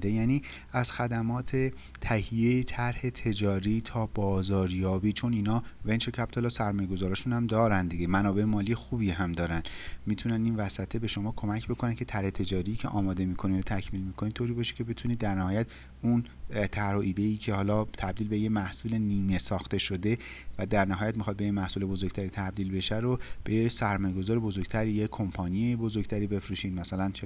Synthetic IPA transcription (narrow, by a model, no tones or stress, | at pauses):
d̪ejæniː | æz̥xæd̪æmɒːt̪ʰe̞ | t̪ʰæhijejet̪ʰæɾhe̞t̪ʰe̞d͡ʒɒːɾiːt̪ʰɒːbɒːzɒːɾjɒːbiːt͡ʃʰo̞niːnɒːvent͡ʃecʰæpt̪ʰolɒːsæɾmɒːjeɡo̞zɒːɾɒːʃunhæmd̪ɒːɾænd̪iɟemænɒːbe̞emɒːlije̞xuːbiːɦæmd̪ɒːɾænd̪miːt̪ʰunæniːnvæsæt̪ʰe̞be̞ʃo̞mɒːkʰo̞mæcʰbo̞kʰo̞næncʰe̞t̪ʰæɾhet̪ʰe̞d͡ʒɒːɾiːcʰeʔɒːmɒːd̪e̞miːkʰo̞niːot̪ʰæcʰmiːlmiːkʰo̞niːt̪ʰoːɾiːbɒːʃe̥cʰe̞be̞t̪ʰuniːd̪ːæɾnæhɒːjæt̪ | un | t̪ʰæɾhoʔiːd̪e̞iːcʰe̞hɒːlɒːt̪ʰæb̚d̪iːlbe̞jemæhsuːle̞niːme̞sɒːxt̪e̞ʃo̞d̪e̞ | væd̪æɾnæɦɒːjæt̪mixɒːd̪̚bejemæhsuːle̞bo̞zoɡ̥̚ʲt̪ʰæɾiːt̪ʰæbd̪iːlbe̞ʃæɾob̥ejesæɾmɒːjeɡo̞zɒːɾe̞bo̞zoɾɡ̥t̪ʰæɾiːjekʰompʰɒːnijebo̞zoɾɡ̥t̪ʰæɾiːbe̞fɾuːʃiːd̪mæsælænt͡ʃʰe